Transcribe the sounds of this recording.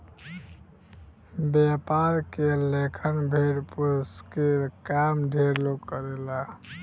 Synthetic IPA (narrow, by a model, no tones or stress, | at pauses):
bjapaɾkelekʰənbʱeɽpuskekamɖʱeɾlokəɾela